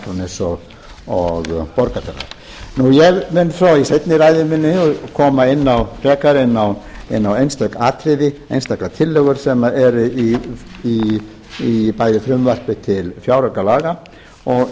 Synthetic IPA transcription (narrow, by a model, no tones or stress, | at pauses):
ɔnɪsɔɣ | ɔɣpɔɾkafɛ̰ɣa̰ɾ | nujɛɣmɪnfɾawisejt̪nɪɾajðɪmɪnːɪɔkʰɔːmaɪnːaw̪rɛːkaɾɪnːawɪnːawejnst̪œkaːt̪ʰɾɪðɪejnst̪ak̪at̪ʰɪlːɛɣʏɾ̥sɛmaʔɛɾʏii | ipajðɪfɾʏmvar̥pɪt̪ʰɪlfjaːwɾakalaːɣa | ɔɣ